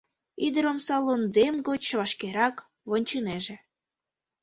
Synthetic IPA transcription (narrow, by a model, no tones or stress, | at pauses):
id̪əɾomsɑlond̪emɡot͡ɕʃβɑʃkeɾɑk | βonʲt͡ɕɯneʒĕ